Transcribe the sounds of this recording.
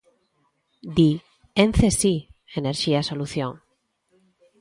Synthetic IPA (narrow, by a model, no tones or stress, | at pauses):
d̪i | enθesieneɾʃiasoluθjõŋ